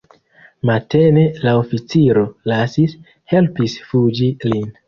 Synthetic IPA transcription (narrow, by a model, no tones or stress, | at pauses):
malte̞ne̞laofit͡siɾo̞lasis | he̞lpisfud͡ʒilin